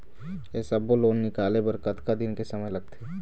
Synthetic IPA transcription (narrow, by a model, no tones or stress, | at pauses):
jesɐboloːnːɪkaːlebɐɾkət̪kad̪ɪnkesɐməjlɐɡ̚t̪ʰeː